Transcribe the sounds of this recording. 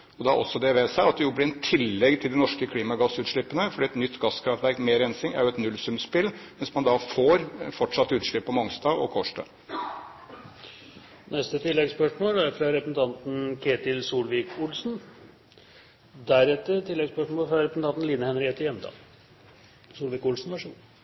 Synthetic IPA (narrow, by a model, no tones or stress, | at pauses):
ɔd̪ɛɑʔɔsːɔd̪ɛʋeːsæɪɑt̪̚d̪ɛjʊblɪɾɛt̪ʰɪlːɛɡt̪ʰɪld̪ɪnɔʂkəkʰliːmɑɡɑsʉːt̪ʂɭɪpːənəfɔɖiːɛt̪nʏt̪ːɡɑskʰɾɑft̪ʋæɾkmeːɾɛnsɪŋæ̰ɾjʊɛt̪nʉlsʉmspɪlːʋɛnsmɑnd̪ɑfoːɾfɔʈʂɑt̪ːʉːt̪ʂɭɪpːɔmɔŋst̪ɑɔ̰kʰɔːʂʈɑ̰ | nɛst̪ət̪ʰɪlːɛɡspœʂmoːlæɾfɾɑɾɛpɾəsn̩t̪ʰɑnt̪n̩kʰeːt̪ɪlsuːlʋiːkʊlsn | d̪æɾɛt̪ːət̪ʰɪlːɛɡspœʂmoːfɾɑɾɛpɾəsn̩t̪ɑnt̪n̩liːnəhɛnɾɪheːt̪əjɛnd̪ɑ̰ː | suːlʋiːkʊlsn̩ʋæʂu